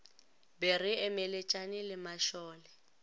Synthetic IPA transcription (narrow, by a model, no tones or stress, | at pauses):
bɛrɪɛmɛlet͡ʃʼanɪlɪmaʃɔːlɛ